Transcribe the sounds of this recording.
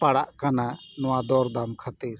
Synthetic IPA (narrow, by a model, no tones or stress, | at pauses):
paɽaʔkananɔwad̪ɔɾd̪amkʰat̪iɾ